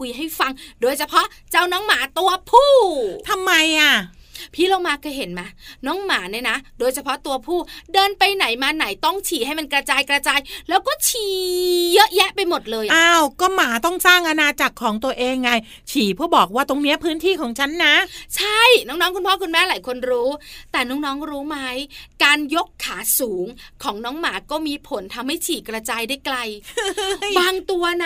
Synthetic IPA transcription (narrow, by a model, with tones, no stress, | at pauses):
kʰu˧jɦa˥˩jfa˧ŋdoː˧jt͡ɕʰa˧pʰɔ˦˥ʔt͡ɕa˧wnɔː˦˥ŋmaː˩˦t̪u˧ɐpʰuː˥˩t̪ʰa˧mːa˧jʔa˧˩ | pʰiː˥˩la˧wmaː˧˩kʰɤː˧jɦe˩˦nma˦˧˥nɔː˦˥ŋmaː˩˦na˧˥˩na˦˥doː˧jt͡ɕʰa˧pʰɔ˦˥t̪u˧ɐpʰuː˥˩dɤː˧npa˧jna˩˦jmaː˧na˩˦jt̪ɔ˥˩ŋt͡ɕʰiː˨˩˦ha˥˩jma˧nkɾa˧t͡ɕaː˧jkɾa˧t͡ɕaː˧jlɛː˦˥wkɔː˥˩t͡ɕʰiː˨˩˦jɤ˦˥ʔjɛ˦˥ʔpa˧jmo˨˩t̪̚lɤː˧jʔaː˧wkɔː˥˩maː˩˦t̪ɔ˥˩ŋsaː˥˩ŋʔa˧naː˧t͡ɕa˨˩kʰːɔː˩˦ŋt̪u˧ɐʔeː˧ŋːaː˧j | t͡ɕʰiː˨˩˦pʰɯː˥˩bɔː˨˩k̚waː˥˩t̪o˧ŋni˦˥ɐpʰɯː˦˥nt̪ʰiː˥˩kʰɔː˨˩˦ŋt͡ɕʰa˦˥nːa˦˥t͡ɕʰa˥˩jnɔː˦˥ŋnɔː˦˥ku˧npʰɔː˥˩kʰu˧nmɛː˥˩laː˩˦jkʰo˧nɾuː˦˥t̪ɛː˨˩nɔː˦˥ŋnɔː˦˥ŋɾuː˦˥ma˦˥jkaː˧njo˦˥kʰːaː˩˦suː˩˦ŋkʰɔː˩˦ŋnɔː˨˦˥ŋmaː˩˦kɔː˥˩miː˧pʰo˩˦nt̪ʰa˧mha˥˩jt͡ɕʰiː˨˩kɾa˧t͡ɕaː˧jdaː˥˩jkla˧j | baː˧ŋt̪u˧ɐna˦˥